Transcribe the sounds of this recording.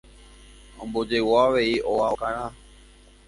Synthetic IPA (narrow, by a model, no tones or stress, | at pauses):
õmbod͡ʒewaʋeiʔoakãɾ̃ã